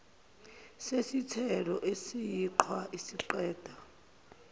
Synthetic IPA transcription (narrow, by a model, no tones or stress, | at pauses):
sesitʰɛlɔʔesijiǃʰwaʔisiǃɛːd̥ʱa